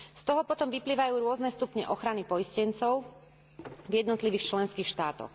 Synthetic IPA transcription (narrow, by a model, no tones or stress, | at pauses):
st̪ɔɦɔpɔt̪ɔmʋipliːʋajuːɾʊɔznɛst̪upɲɛ̰ʔɔxɾanipɔjiscɛnt͡sɔʊ | vjɛd̪nɔt̪liʋiːxt͡ʃlɛnskiːxʃt̪aːt̪ɔ̰x